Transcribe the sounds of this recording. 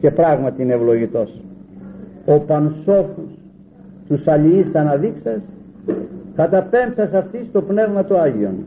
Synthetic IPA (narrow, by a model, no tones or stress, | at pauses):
ce̞pɾɐɣmɐt̪iineevlo̞ʝit̪o̞s | o̞pɐnso̞fus | t̪usɐliisɐnɐðiksɐs | kɐt̪ɐpe̞mpsɐsɐft̪ist̪o̞pne̞vmɐt̪oɐʝio̞̰n